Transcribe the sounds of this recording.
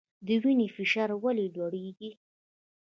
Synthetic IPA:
d̪əwinefɪʃɑːɾwalelwaɽeɡi

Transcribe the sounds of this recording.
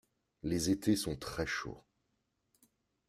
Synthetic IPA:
lezet̪esɔ̃t̪χɛʃo̰

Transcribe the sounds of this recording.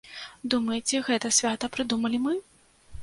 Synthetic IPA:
d̪umɐjet͡sʲɛɣɛt̪ɐsʲvʲat̪ɐpɾɨd̪umɐlʲimɨ

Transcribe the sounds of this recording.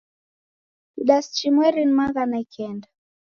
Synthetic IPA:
iɗast͡ʃimwɛɾinmaðanaikɛnda

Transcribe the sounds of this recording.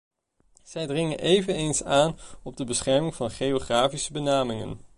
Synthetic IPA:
z̥ɛjdrɪŋənʔejvənejnsaːnɔb̚dəbəsχɛɹmɪŋv̥ɑnχejoχraːfisəbənaːmɪŋə̰n

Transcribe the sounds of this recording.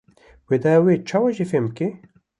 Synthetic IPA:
wed̪awet͡ʃʰɑːwaʒefemke

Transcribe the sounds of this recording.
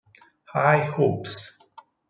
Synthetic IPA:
haɪhoːps

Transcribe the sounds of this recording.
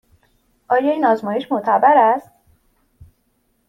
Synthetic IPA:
ʔɒːjɒːiːnɒːzmɒːjeʃmoʔt̪ʰæbæɾæst̪

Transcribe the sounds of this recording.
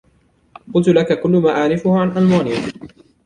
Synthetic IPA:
qʊlt̪ʊlakakʊlːʊmaːʔaʕɾɪfʊhʕanʔalmaːnɪja

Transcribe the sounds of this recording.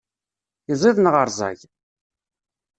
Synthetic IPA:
izˤiðˤnʁəɾˤzˤɑ̰ʝ

